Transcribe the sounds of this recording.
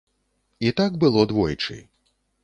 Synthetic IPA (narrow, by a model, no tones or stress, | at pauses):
it̪aɡ̚bɨlˠɔd̪vɔjt͡ʂɨ̰